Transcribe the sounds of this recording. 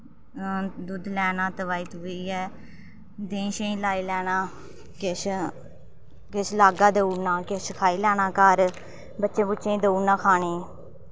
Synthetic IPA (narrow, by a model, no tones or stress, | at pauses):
d̪ud̪lɛːnãːt̪əʋaːiːt̪oiːɛː | d̪ẽːʃẽĩːlaːiːlɛːnãː | kɪʃ | kɪt͡ʃlaːɡaːd̪əuːnãːkɪʃkʰaːiːlɛːnãːkəɾ | bətːʃẽːbʊːt͡ʃʃẽːĩːd̪əuːnãːkʰaːneː